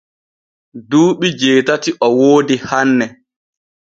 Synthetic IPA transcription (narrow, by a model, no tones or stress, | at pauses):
duːɓid͡ʒeːtatiʔɔwoːdihanːɛ